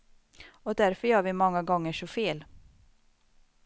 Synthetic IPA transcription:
ɔd̪æɾfœɾjœːɾvɪmɔŋːaɡɔŋːəʂɔfeːl

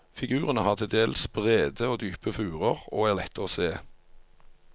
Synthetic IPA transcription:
fɪɡʉːʁənəhɑːʁt̪ʰɪd̪eːlsb̥ʁeːd̪əoːd̪yːpəfʉːʁəʁo̰ːæːʁlɛt̪ːəʁoːseː

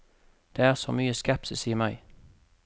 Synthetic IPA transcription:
d̪̥eːæːʁsɔmyːəskɛpsɪsiːmæɪ

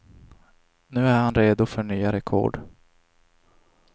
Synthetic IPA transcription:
nʉ̟ːæɾhanɾeːd̪ʊfœɳyːaɾɛkʰɔ̰ːɖ

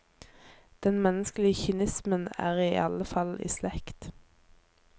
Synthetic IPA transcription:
d̪̥ɛnmɛnəsklɪəçɪnɪsmənæ̰ːʁiːʔɑləfɑlḭːslɛkt̪

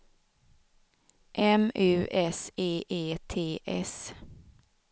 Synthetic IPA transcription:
ʔɛmʉːʔɛseːʔeːt̪ʰeːʔɛs

